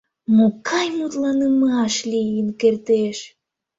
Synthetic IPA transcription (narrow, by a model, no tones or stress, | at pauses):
mukʰɑjmut̪lɑnɨmɨɑʃlʲijinkeɾt̪eʃ